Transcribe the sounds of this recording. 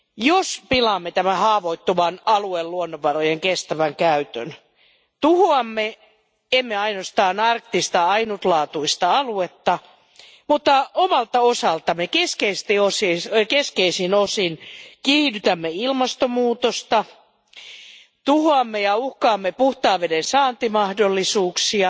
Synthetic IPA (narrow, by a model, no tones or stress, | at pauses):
jospilɑːmːet̪æmæhɑːʋoit̪ːuʋɑnɑluelluonːoʋʋɑrojeŋkest̪æʋæŋkæyt̪ø̰n | t̪uhoɑmːe | emːeɑinost̪ɑːnɑrkt̪ist̪ɑɑinut̪lɑːt̪uist̪ɑɑluet̪ːɑ | mut̪ːɑomɑlt̪ɑosɑlt̪ɑmekeskeist̪iosikeskeisinosinkiːdyt̪æmːeilmɑst̪omuːt̪ost̪ɑ | t̪uhoɑmːejɑuhkɑːmːepuht̪ɑːʋedensɑːnt̪imɑhdolːisuːksiɑ